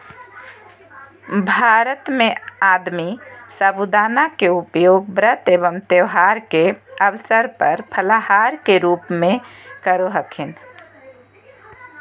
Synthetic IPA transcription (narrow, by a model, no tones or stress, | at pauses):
bʱaːɾət̪mẽaːd̪misəbud̪aːnakeʊpjoːɡ̚bɾət̪eːʋəmt̪eʋɦaːɾkeəʋsəɾpɐɾpʰəlaɦaːɾkeɾuːpmẽkəɾoɦəkʰɪn